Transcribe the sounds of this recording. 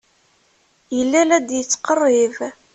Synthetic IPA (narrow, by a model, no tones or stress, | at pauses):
jəlːælæd̪jət͡sːqərˤːɪv